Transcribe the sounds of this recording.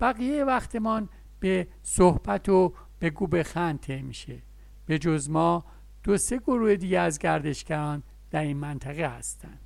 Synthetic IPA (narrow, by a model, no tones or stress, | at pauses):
b̥æɣijejevæxt̪ʰe̞mɒːn | b̥e | sohb̥æt̪ʰo | b̥e̞ɡuːbe̞xænt̪ʰemiʃe | b̥e̞d͡ʒozmɒː | d̪̥ose̞ɡoɾuːhed̪iːɟeæzɟæɾd̪e̞ʃɡæɾɒːn | d̪̥æɾinmænt̪ʰæɣehæst̪ænd̪̥